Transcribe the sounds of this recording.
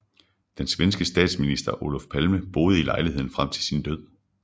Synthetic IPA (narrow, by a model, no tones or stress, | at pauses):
d̥ensʋensɡ̥əsd̥ɛ̰ːd̥sminisd̥ɐʔo̝lɒfpʰælməb̥o̝ːð̞ˠilɑ̈ɪlihe̝ð̞̰ˠn̩fʁam̰t͡sʰe̝lsind̥øð̞̰ˠ